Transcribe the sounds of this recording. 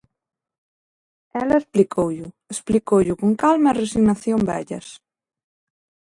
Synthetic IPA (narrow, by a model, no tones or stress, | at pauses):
ɛlɐesplikʰowʎʊ | esplikowʎʊkoŋkalmɐeresiɣnaθjombɛ̰ʎɐ̰s